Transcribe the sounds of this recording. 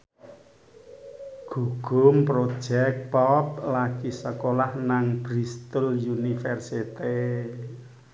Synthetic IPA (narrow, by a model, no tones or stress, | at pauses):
ɡ̥uɡ̥ʊmpɾod̥ʒ̥ɛk̪̚pɔplakisəkolahnaŋb̥ɾist̪əljunifɛrsit̪e